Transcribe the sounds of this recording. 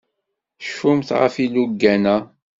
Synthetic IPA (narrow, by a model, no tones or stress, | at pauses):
ʃumθʁə̰filuɡːænæ